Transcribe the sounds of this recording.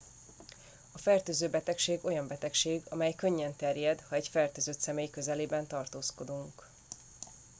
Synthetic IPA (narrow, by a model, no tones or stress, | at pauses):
ɒfɛrt̪øːzøːbɛt̪ɛkʃeːɡo̞jɒmbɛt̪ɛkʃeːɡɒ̰mɛjkø̞ɲːɛnt̪ɛrjɛd̪hɒɛɟfɛrt̪øːzøt̪sɛmeːjkøzɛleːbɛnt̪ɒrt̪oːsko̞d̪uŋk